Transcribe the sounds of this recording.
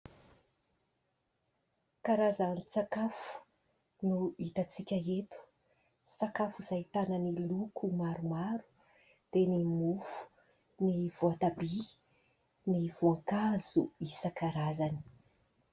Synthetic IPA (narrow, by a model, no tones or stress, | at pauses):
kaɾazanit͡sakafu̥ | nuit̪at͡sikʲaet̪u̥ | sakafuz̥ait̪ananilukʰumaɾumaɾu̥ | d̪̥enimufu̥ | nivoat̪abi | niv̥uaŋkaz̥ṵisakaɾazani̥